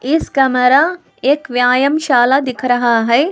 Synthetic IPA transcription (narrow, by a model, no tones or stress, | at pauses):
ɪskɐmɐɾa | eːkʋjaːjɐmʃaːlad̪ɪkʰɾɐɦaɦɛː